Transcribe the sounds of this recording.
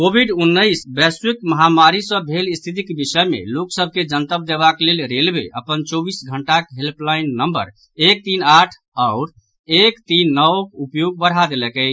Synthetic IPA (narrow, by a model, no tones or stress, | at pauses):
kobʱiɖunːəɪsbɛswikməɦamaɾisə̃bʱelist̪ʰit̪̬ikebisəjmḛloksəbʱked͡ʒənt̪əb̚d̪eβaklelɾelbḛʔəpənt͡ʃɔbisɡʱəɳʈakɦelplaɪnːəmbə̰ɾ | ek̚t̪inaʈʰ | ɔʊɾ | ekt̪inːəʋkupjoɡ̚bəɽɦad̪elɛkəɪ